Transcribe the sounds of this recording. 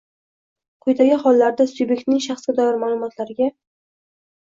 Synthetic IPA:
qʰojt̪ʰaɡʲɪχɒlˠːaɾd̪asube̞k̚ʲt̪nɪŋʃɑχsɡʲad̪ajɒɾmaːlˠʊmɒt̪ʰlaɾɪɡʲa

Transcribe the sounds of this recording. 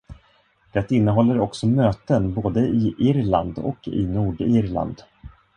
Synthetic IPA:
d̪̥ɛt̪ɪnːəɦɔlːəɾɔksɔmøːt̪ənboːd̪əɪʔɪɾland̪ɔ̰kʰɪ̰nuːɖɪɾla̰nd̪

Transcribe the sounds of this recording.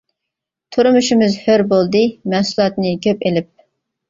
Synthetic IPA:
t̪ʰuɾɨmuʃɪmɨzhøɾbolˠd̪ɨmɛsulˠɑt̪nɨkʲʰøpelɪp̚

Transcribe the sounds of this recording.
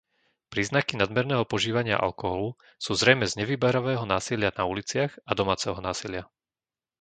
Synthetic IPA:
pɾiːznakinad̪mɛɾnɛːɦɔpɔʒiːʋaɲɪa̰ʔa̰lkɔɦɔlu | suːzɾɛjmɛzɲɛʋiːbaɾaʋɛːɦɔnaːsilɪanaulit͡sɪaɣad̪ɔmaːt͡sɛɦɔnaːsilɪa

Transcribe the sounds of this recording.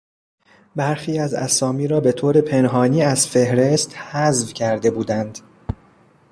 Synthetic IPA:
bæɾxiːæzæ̰sɒːmiːɾɒːbe̞t̪ʰoːɾe̞pʰe̞nɦɒːniːæzfe̞hɾe̞st̪hæzvcʰæɾd̪e̞buːd̪ænd̪̥

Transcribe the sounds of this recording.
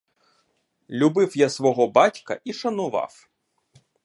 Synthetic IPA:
lʲubɪwjasʋɔɦɔbɑtʲkɐ̰ʔiʃɐnʊʋɑ̰w

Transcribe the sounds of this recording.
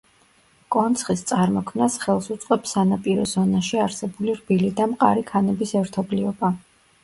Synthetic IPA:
kʼɔnt̪sʰχist̪sʼaɾmɔkʰmnasχɛlˠsut̪sʼqʼɛpsanapʼiɾɔzɔnaʃiaɾsɛbuliɾbilid̪amqʼa̰ɾikʰanɛbisɛɾt̪ʰɔbliɔba

